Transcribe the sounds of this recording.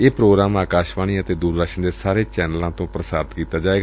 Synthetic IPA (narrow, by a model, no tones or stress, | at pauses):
eːpɾoːɡɾaːmaːkaːʃʋaːɽ̃iːət̪eːd̪uːɾd̪əkʃəɳd̪eːsaːɾeːt͡ʃɛːnəlãːt̪õːpɾəsaːɾt̪kiːt̪aːd͡ʒaːeːɡ